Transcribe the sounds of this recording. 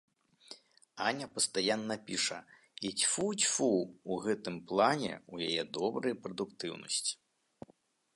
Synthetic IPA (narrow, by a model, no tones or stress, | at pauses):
anʲɐpɐst̪ajanːɐpʲiʂɐ̰ | it͡sʲfut͡sʲfuuɣɛt̪ɨmplˠanʲɛ̰ujajɛd̪ɔbɾɨjpɾɐd̪ukt̪ɨwnɐ̰sʲt͡sʲi̥